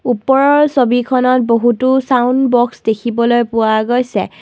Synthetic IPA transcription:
upɔɹɔɹsobikʰɔnɔt̚boɦutʊsawndbɔksdekʰibɔlojpʊwaɡojsɛ̰

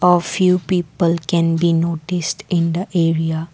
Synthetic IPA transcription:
ɔfjuːpiːpəlkɛ̃nbiːnoːʈɪsʈɪ̃nd̪əʔeːɾia

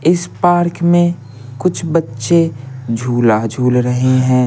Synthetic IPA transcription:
ɪspaːɾkmẽ | kʊt͡ʃʰbɐtːʃed͡ʒʱuːlad͡ʒʱuːlɾɐɦeɦɛ̃ː

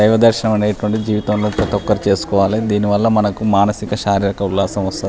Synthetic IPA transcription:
ɐjʋɐd̪ɐɾʃɐnɐmɐneːjɐʈɐʋɐɳʈid͡ʒiːʋit̪ɐmloːpɾɐt̪ɔkːɐɾut͡ʃe̞ːsu̥kɔːʋaːlid̪iːniʋɐlːɐmɐnɐkumaːnɐsikɐʃaːɾiɾɐkɐulːaːsɐmʋɐst̪ɐi

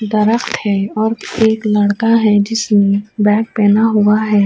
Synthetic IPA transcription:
d̪ɐɾəxt̪hɛːɔːɾeːklɐɽkaɦɛd͡ʒɪsmẽbɛːk̚pɛːnaɦuaɦɛː

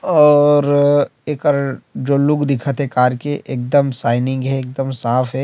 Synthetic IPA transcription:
ɔːɾeːkɔɾd͡ʒoːlʊkʰd̪ɪkʰət̪ɦɛkaːɾkeʔeːk̚d̪əmsaːɪnɪ̃ŋɡɦɛeːk̚d̪əmsaːfʰɦɛ

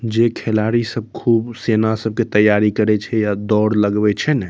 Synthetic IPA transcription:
d͡ʒekʰelaɾisəb̚kʰubsenasəb̚ket̪əjːaɾikəɾɛt͡ʃʰɛjad̪ɔɽləɡbɛt͡ʃʰɛnɛ

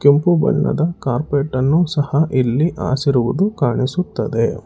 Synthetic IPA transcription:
kempubɐ̰ɳːɐ̰d̪ɐkaːɾpeːʈːɐnːusɐhɐʔilːiʔa̰ːsiɾuʋud̪ukaːɳisut̪ːɐd̪e

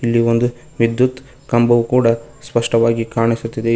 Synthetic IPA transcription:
ilːiond̪u | ʋid̪jut̪ | kɐmbɐʋukuːɽɐ | spɐʂʈɐʋaːɡikaːɳisut̪ːid̪e

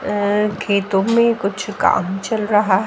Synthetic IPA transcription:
kʰeːt̪õmẽkʊt͡ʃʰka̰ːmt͡ʃɐlɾɐɦaɦ

